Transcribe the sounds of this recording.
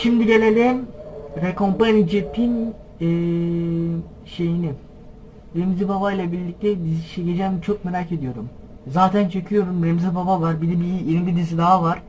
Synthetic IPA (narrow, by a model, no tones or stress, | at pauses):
ʃimd̪iɟelʲelʲɛmɾekompanid͡ʒepʰin | ɛː | ʃe̞jini | ɾemzibabajlˠabiɾlʲic̚t̪ʰɛd̪izit͡ʃeked͡ʒɛːmt͡ʃʰo̞k̚meɾaːce̞d̪ijo̞ɾum | zaːt̪ʰænt͡ʃʰecʰyjo̞ɾumɾemzibabavaɾbilɛbijeɾmibid̪izid̪aɦavaɾ̥